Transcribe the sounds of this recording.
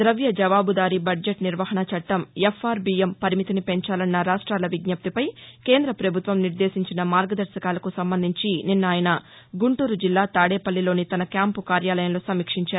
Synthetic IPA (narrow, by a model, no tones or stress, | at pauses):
d̪ɾɐʋjɐd͡ʒɐʋaːbud̪aːɾibɐɖd͡ʒeʈniɾʋɐɦɐɳɐt͡ʃɐʈːɐmefʰːaːɾbiːempɐɾimit̪inipe̞ɲt͡ʃaːlɐnːɐɾaːʂʈɾaːlɐʋiɡnɐp̚t̪ipɐjke̞ːnd̪ɾɐpɾɐbʱut̪ʋɐmniɾd̪eːsiɲt͡ʃinɐmaːɾɡɐd̪ɐɾsɐkaːlɐkusɐmbɐnd̪ʱiɲt͡ʃininːaːjɐnɐ | ɡuɳʈuːɾud͡ʒilːaːt̪aːɽeːpɐlːilo̞ːnit̪ɐnɐkjaːmpukaːɾjaːlɐjɐmloːsɐmiːkʂiɲt͡ʃaːɾu